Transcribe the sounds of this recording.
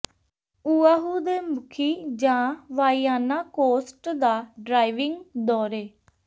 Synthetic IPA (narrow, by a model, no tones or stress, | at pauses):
uːaːɦuːd̪eːmʊkʰiːd͡ʒãːʋaːiːaːnaːkoːsʈd̪aːɖɾaːiʋɪŋɡd̪ɔːɾeː